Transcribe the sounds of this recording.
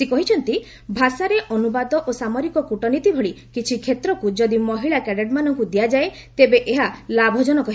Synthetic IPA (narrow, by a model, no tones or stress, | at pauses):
sekɔɦit͡ʃʰɔnt̪i | bʱasaɾeʔɔnubad̪ɔʔosamɔɾikɔkuʈɔnit̪ibʱɔɭi | kit͡ʃʰikʰet̪ɾɔkud͡ʒɔd̪imɔɦiɭakɛɽeɖmanɔŋkud̪ijad͡ʒae | t̪ebeʔeɦalabʱɔd͡ʒɔnɔkɔɦi